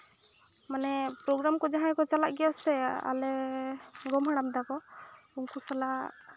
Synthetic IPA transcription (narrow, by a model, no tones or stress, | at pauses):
manɛpɾɔɡɾamkɔd͡ʒaɦajkɔt͡ʃalaʔɡɛjasɛa̰lɛ | ɡɔmɦaɽ̃amd̪akɔuŋkusalaʔ